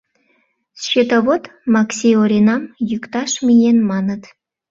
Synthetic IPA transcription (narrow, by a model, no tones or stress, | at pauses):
sʃet̪ɑβot̪mɑksʲeoɾʲenɑmjykt̪ɑʃmʲijenmɑnə̆t̪